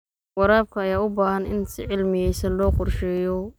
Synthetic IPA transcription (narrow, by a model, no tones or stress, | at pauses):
wɑɾaːb̚kʰɐːjaːʊbaːhɐnɪ̰nsɪ̰ʕɪlmɪjɛjsɐnlɔːqʊrʃɛːjɔ